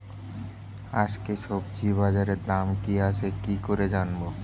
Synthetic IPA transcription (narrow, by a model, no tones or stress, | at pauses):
ad͡ʑkeʃobt͡ɕibad͡ʑaɾed̪amkiat͡ɕʰekikoɾed͡ʑanbo